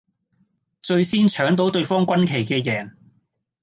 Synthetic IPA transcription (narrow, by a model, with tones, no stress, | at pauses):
t͡ʃɵ˧ɥsiː˥nt͡ʃʰœː˨˥ŋt̪̬o˨˥wt̪ɵ˧ɥfɔː˥ŋkʷɐ˥nkʰe˨˩jkɛː˧jɛː˨˩ŋ